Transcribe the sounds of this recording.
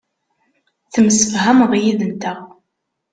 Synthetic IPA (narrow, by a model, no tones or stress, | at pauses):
θəməsəfɦæmʁjiðənt̪æ